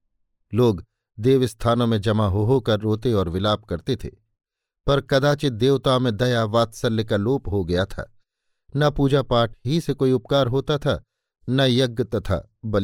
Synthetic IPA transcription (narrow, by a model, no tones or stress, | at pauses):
loːɡ | d̪eːʋɪst̪ʰaːnõmẽd͡ʒɐmaɦoɦokɐɾːoːt̪eɔːɾʋɪlaːp̚kɐɾt̪et̪ʰḛː | pɐɾkɐd̪aːt͡ʃɪd̪eːʋt̪aːmẽd̪ɐjaʋaːt̪sɐɾlːɪkaloːpɦoɡɐjat̪ʰa̰ː | nɐpuːd͡ʒapaːʈ̚ʰɦisekoːiʊp̚kaːɾɦoːt̪at̪ʰaː | nɐjɐɡːət̪ɐt̪ʰa̰ | bɐli